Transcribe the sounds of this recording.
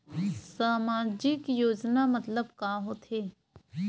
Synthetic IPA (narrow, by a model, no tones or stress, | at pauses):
saːmaːd͡ʒɪkjoːd͡ʒnamɐt̪ləbkaːɦoːt̪ʰeː